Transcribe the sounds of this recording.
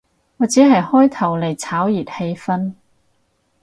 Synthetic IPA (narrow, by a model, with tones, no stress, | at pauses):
ŋɔː˨˧t͡siː˨˥ɦɐ˨jhɔː˥jt̪ʰɐ˨˩wle˨˩jt͡sʰaː˨˥wjiː˨˩t̚he˧jfɐ˥n